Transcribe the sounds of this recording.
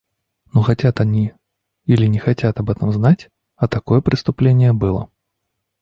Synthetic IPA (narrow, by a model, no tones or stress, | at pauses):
nɔxat͡sʲat̪anʲi | ilʲinʲɛxat͡sʲat̪ɐbɛt̪ɐmznat͡sʲ | ɐt̪akɔjɛpɾɨst̪ʊplʲenʲːɪjɛbɨlˠɐ̰